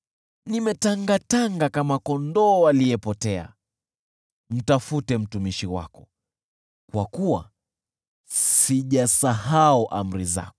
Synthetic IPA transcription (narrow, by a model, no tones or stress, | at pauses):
nimɛtaŋɡataŋɡakamakɔndɔːwalijɛpɔtɛa̰ | m̩tafutɛm̩tumiʃiwa̰kɔ | kwakuwa̰ | siʄasahauʔa̰m̩ɾiza̰kɔ̥